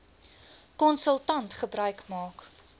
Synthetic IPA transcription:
kɔnsəlˠtɐntχəbɾœɥkmɑːk

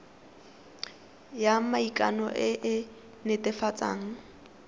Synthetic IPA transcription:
jamaikʼa̰nɔʔɪʔɪ | nɪtɪfat͡sʼa̰ːŋ̩

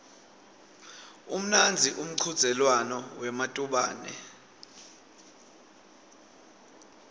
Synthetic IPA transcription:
um̩nand͡zʱiʔum̩ǀʰud̥z̥ʱɛlwanɔwɛmatʼuɓa̰ːnɛ̰

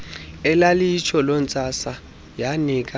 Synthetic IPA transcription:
ɛlalijit͡ʃʰɔlɔnt͡sʼasa | janiːk̬ʼa

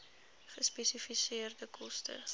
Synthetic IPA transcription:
χəspɛsifisiərdəkʰɔstə̰

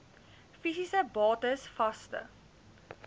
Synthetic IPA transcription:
fisisəbɑːtəsfɐstə̰

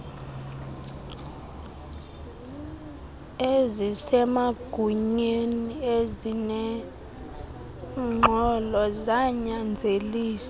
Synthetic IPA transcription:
ezisɛmaɡ̥ʱuɲeniezinɛ | ŋ͡ǃʱɔlɔzaɲand͡zʱeliːsḁ

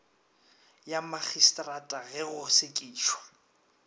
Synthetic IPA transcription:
jamaχistʼratʼaɣɛɣʊsekʼiːʃwa

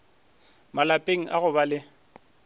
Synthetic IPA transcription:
malapʼeŋ̩ʔaɣʊbalɪ

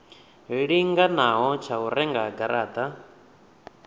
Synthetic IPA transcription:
ɦiɺiŋɡanaɦɔt͡ʃʰauɾɛŋɡaɡaɾaːd̪a

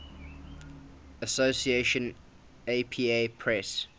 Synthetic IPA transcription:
əsosieʃə̃n | eɪpʰiːepʰɹɛs

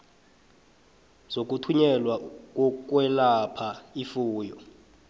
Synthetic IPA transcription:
zok̬utʰuɲɛlwak̬ʼɔk̬ʼwɛlapʰaifuːjɔ

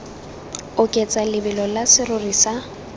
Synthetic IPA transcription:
ʊkʼɛt͡sʼalɪbɪlɔlasɪrʊrisa

